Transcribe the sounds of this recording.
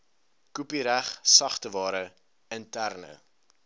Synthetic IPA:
kupiɾæχsɐχtəvɑːɾə | əntærnə̰

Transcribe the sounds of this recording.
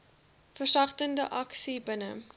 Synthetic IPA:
fərsɐχtəndəʔɐksibənə

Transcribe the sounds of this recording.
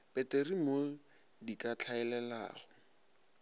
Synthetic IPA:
pɛterimo | dikʼat͡ɬʰaɛlɛla̰ːɣʊ

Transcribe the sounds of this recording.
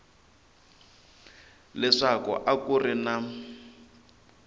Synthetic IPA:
lɛʂakɔ̰ʔakurɪna

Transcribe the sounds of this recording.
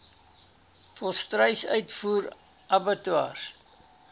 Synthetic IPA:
fɔlˠstrəjsœ̰ɥtfuːr | ʔɐbətuɑ̰ːr

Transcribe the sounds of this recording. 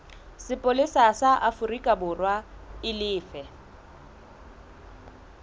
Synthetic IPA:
sɪpʼʊlɪsasaʔafʊrikʼabʊrwaɪlɪːfɛ

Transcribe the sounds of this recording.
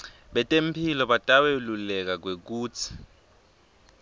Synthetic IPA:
ɓɛtʼempʰilɔɓatʼawelulɛk̬ak̬wek̬uːt͡sʰi̥

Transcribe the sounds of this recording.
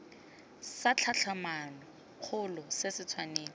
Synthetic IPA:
sat͡ɬʰat͡ɬʰamanɔ | k͡xʰʊlɔsɪsɪt͡sʰwaneːlɔ

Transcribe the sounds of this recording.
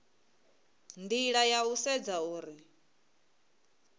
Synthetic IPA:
ndiɺajausɛd͡zauːɾi

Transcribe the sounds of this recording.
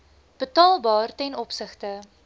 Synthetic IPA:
b̥ətɑːlˠbɑːrtɛnɔpsəχtə

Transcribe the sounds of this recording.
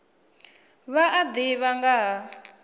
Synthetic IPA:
βaʔad̪iβaŋɡaɦa

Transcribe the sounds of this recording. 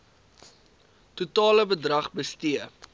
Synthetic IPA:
tutɑːləbədrɐχbəstiə

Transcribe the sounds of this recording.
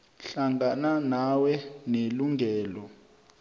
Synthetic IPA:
ɬaŋɡʱananawɛneluŋɡʱɛːlɔ

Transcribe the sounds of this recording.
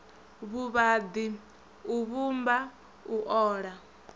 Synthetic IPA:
βuβad̪i | uβumba | uʔɔːɺa

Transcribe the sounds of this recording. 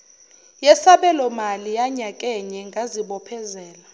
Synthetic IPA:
jɛsaɓɛlɔmalijaɲakʼɛɲɛŋɡʱaziɓɔpʰɛzɛːla

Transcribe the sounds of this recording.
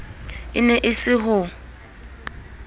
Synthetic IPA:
ɪ̰nɛʔɪsɪɦʊ

